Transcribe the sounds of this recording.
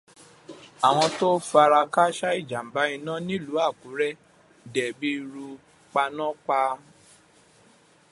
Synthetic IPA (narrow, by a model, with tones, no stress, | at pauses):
a˨w̃ɔ̃˧to˦fa˧ɾa˧ka˦ʃa˦i˦˨d͡ʒa˨m̩˨ba˨˦i˧nã˦nĩ˦˨lu˨˦a˦˨ku˨˦ɾɛ˦ | dɛ˨bi˦˧ɾu˧ | k͡pa˧nã˦k͡pa˧